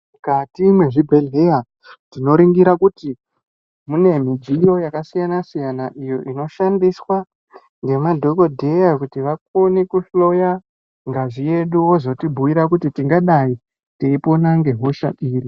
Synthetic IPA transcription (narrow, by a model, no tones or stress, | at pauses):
mukatimwe̞ʐibʱe̞leja | tino̞ɾiŋɡiɾakuti | mune̞mid͡ʒijo̞jakasijanasijanaʔijo̞ʔino̞ʃandiswa | ŋɡe̞madʱo̞ko̞dʱe̞jakutiʋak̚onikuɬlo̞ja | ŋɡaʐije̞ɗuwozo̞tibʱuʋiɾakutitiŋɡaɗai | teipo̞naŋɡe̞ɦoʃa̰ʔiːri